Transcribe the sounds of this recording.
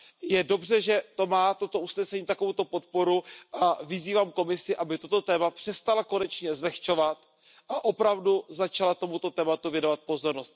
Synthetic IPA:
jɛdo̞brɛʒɛt̪o̞maːt̪o̞t̪o̞ʔusnɛsɛɲiːt̪ako̞vuwt̪o̞po̞t̪̚po̞ɾuʔavɪziːvaːmko̞mɪsɪʔabɪt̪o̞t̪o̞t̪ɛːmapr̥ɛst̪alako̞nɛt͡ʃɲɛzlɛxt͡ʃo̞vat̪ | ʔaʔo̞pɾavduzat͡ʃalat̪o̞mut̪o̞t̪ɛːmat̪uvjɛnovat̪̚po̞zo̞ɾno̞st̪

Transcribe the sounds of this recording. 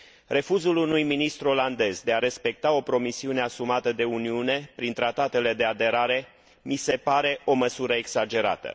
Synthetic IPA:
re̞fuzulunujminist̪ɾuo̞land̪e̞zd̪e̞aɾe̞spe̞k̚t̪ao̞pɾo̞misiune̞asumat̪əd̪e̞uniune̞pɾint̪ɾat̪at̪e̞le̞d̪e̞ad̪e̞ɾaɾe̞ | mise̞paɾe̞o̞məsuɾəeɡsad͡ʒe̞ɾa̰t̪ə̰

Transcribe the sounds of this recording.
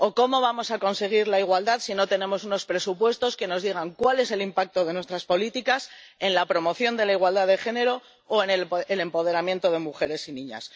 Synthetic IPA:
o̞ko̞mo̞βamo̞sako̞nse̞ɣ̞iɾlaiɣwald̪aðsino̞t̪e̞ne̞mo̞s̬uno̞spɾe̞supwe̞st̪o̞ske̞no̞zðiɣ̞aŋkwale̞se̞limpak̚t̪o̞ðe̞nwe̞st̪ɾaspo̞lit̪ikas | e̞nlapɾo̞mo̞θjo̞nd̪e̞laiɣwald̪aðe̞xe̞ne̞ɾoː | enelele̞mpo̞ð̞e̞ɾamje̞nt̪o̞ð̞e̞muxe̞ɾe̞sinĩɲa̰s

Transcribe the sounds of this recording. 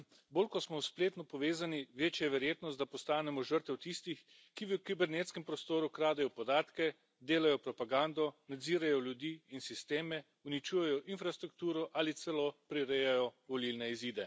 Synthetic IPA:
boːlkɔsmɔspleːt̪nɔpɔʋeːzaniʋeːt͡ʃjajɛʋɛɾjeːt̪nɔst̪d̪apɔst̪aːnɛmɔʒəɾt̪ɛwt̪ist̪ix | kiʋəkibɛɾneːt̪skɛmpɾɔst̪oːɾukɾaːd̪ɛjɔpɔd̪aːt̪kɛ | d̪eːlajɔpɾɔpaɡaːnd̪ɔnad̪ziːɾajɔljud̪iːinsist̪eːmɛ | unit͡ʃuːjɛjɔʔinfɾast̪ɾuk̚t̪uːɾɔʔalit̪sɛlopɾiɾejajɔʋɔlilnɛiziːd̪ɛ

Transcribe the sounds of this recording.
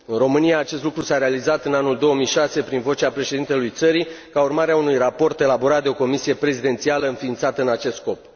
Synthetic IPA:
ɨnro̞mɨnijaːt͡ʃe̞st̪lukɾusaɾe̞alizat̪ɨnanuld̪o̞wəmijʃase̞pɾinvo̞t͡ʃeapɾe̞ʃe̞d̪int̪e̞lujt̪səɾi | kaurmaɾeaunujrapo̞rt̪e̞labo̞ɾat̪̚d̪eo̞ko̞misije̞pɾe̞zid̪e̞nt̪sialəɨnfiːnt̪sat̪əɨnat͡ʃe̞st̪ko̞p

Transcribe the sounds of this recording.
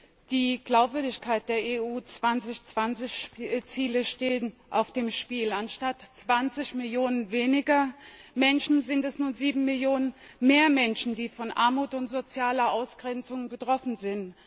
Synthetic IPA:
d̥iːɡ̥laʊpv̥ʏɐdɪçkʰaɪt̚d̥eːɐeːuːt͡sv̥ant͡sɪçt͡sv̥ant͡sɪçt͡siːləʃteːənʔaʊfd̥eːmʃpiːlanʃtatt͡sv̥ant͡sɪçmɪljoːnənveːnɪɡɐ | mɛnʃn̩zɪntɛsnuːɐziːbm̩mɪljoːnənmeːɐmɛnʃn̩diːfɔnʔa̰ɐmuːtʊntz̥ot͡sjaːlɐʔaʊsɡ̥ʁɛnt͡sʊŋbətʁ̥ɔfn̩zɪnt

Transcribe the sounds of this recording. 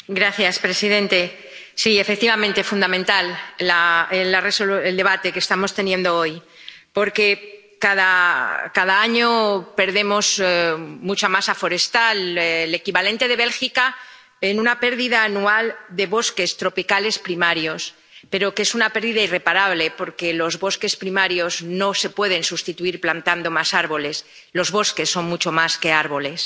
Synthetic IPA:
ɡɾaθjaspɾe̞siðẽ̞nt̪e̞ | siefek̚t̪iβamẽ̞nt̪efund̪amẽnt̪allaelaresoeld̪e̞β̞at̪e̞keːst̪amo̞st̪e̞njẽ̞nd̪o̞o̞j | po̞ɾke̞ | kaðakaðaaɲo̞pe̞ɾðe̞mo̞z | mut͡ʃamasafo̞ɾe̞st̪alle̞kiβale̞nt̪e̞ð̞e̞βe̞lxika | enũnape̞ɾðiðaːnuald̪e̞βo̞ske̞st̪ɾo̞pikale̞spɾimaɾjo̞s | pe̞ɾoke̞sunape̞ɾðiðaire̞paɾaβ̞le̞po̞ɾke̞lo̞zβo̞ske̞spɾimaɾjo̞zno̞se̞pwe̞ðe̞nsust̪it̪uiɾplant̪and̪o̞masaɾβo̞le̞s | lo̞zβo̞ske̞sːo̞nmut͡ʃo̞maske̞aɾβo̞le̞s

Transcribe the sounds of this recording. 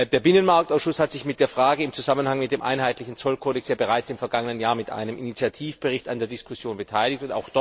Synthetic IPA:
deːɐbɪnənmaɐk̚taʊsʃʊshatz̥ɪçmɪt̚d̥eːɐfʁ̥aːɡəɪmt͡suzamənhaŋmɪt̚d̥eːmʔa̰ɪnɦaɪtlɪçn̩t͡sɔlkʰoːdɛksjaːbəʁaɪt͡sɪmfɛɐɡaŋənənjaːɐmɪtʔa̰ɪnəmʔinit͡sjatʰiːfb̥əʁɪçtandeːɐdɪskʰʊsjoːnbətʰaɪlɪçtʊnta̰ʊxd̥ɔ

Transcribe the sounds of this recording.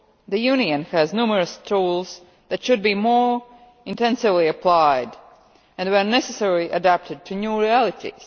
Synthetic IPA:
ðɨjuniɨ̃nhɨznumə˞ɨstʰulˠz̥ | ðɨtʃɨd̚bimɔɹ | ɪ̃ntɛ̃nsɪvliɨpʰl̥aɪd | ɨ̃nwə˞nɛsɨsɛɹliʔɨdæp̚tʰɨd̚tʰɨnjuɹiælˠɨtʰḭz̥

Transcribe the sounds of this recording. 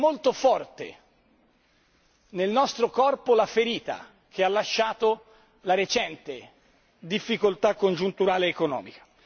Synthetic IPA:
mːolt̪ofɔrt̪ḛ | nelnɔst̪ɾokɔrpolafeɾiːt̪a̰ | k̟ealːaʃːaːt̪o | laɾet͡ʃɛnt̪e | d̪ifːikolt̪akːond͡ʒunt̪uɾaːleːkonɔ̰ːmikḁ

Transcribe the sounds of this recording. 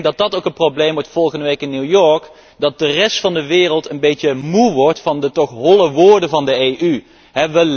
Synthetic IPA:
dɑt̚dɑtowkənproblejmʋɔɹtfɔlˠχəndəʋejkɪnːuwjɔɹk | dɑt̚dərɛstfɑndəʋɪːrəlˠtənbejtəmuʋɔɹtfɑndətɔχɦɔləʋʊːɹdəvɑndəejʔy | ɦɛʋə

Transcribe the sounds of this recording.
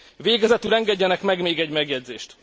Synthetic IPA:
veːɡɛzɛt̪ylɛŋɡɛɟːɛnɛkmɛɡmeːɡɛɟmɛɡjɛɟzeːʃt̪

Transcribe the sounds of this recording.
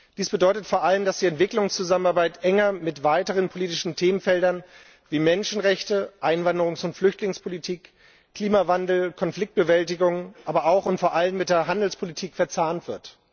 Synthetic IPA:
d̥iːsb̥ədɔʏtətfoːɐʔaləmdasd̥iːɛntv̥ɪklʊŋst͡suzamənaɐbaɪtʔɛŋɐmɪtv̥aɪtəʁ̞ənpʰoliːtɪʃn̩tʰeːmənfɛldɐn | viːmɛnʃn̩ʁɛçtəʔaɪnvandəʁ̞ʊŋsʊntflʏçtlɪŋspʰolitʰiːk | kʰːl̥iːmavandl̩kʰɔnflɪk̚t̚b̥əvɛlt̬ɪɡʊŋʔaːbɐaʊxʊntfoːɐʔalənmɪt̚d̥eːɐɦandl̩spʰolitʰiːkfɛɐt͡saːɐntv̥ɪɐt

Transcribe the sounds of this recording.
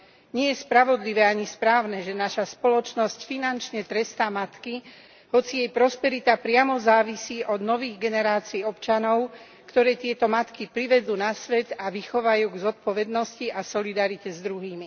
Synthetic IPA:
ɲɪɛjɛspɾaʋɔd̪liʋɛːaɲispɾaːʊnɛːʒɛnaʃaspɔlɔt͡ʃnɔscfinant͡ʃɲɛt̪ɾɛst̪amat̪ki | hɔt͡sijɛjpɾɔspɛɾit̪apɾɪamɔzaːʋisiːʔɔd̪nɔʋiːɣɡɛnɛɾaːt͡siːɔpt͡ʃanɔʊ | kt̪ɔɾɛːt̪ɪɛt̪ɔmat̪kipɾiʋɛd͡zuːnasʋɛd̪aʋixɔʋajuːɡzɔt̪̚pɔʋɛd̪nɔsciʔasɔlid̪aɾicɛzd̪ɾuɦiːmi

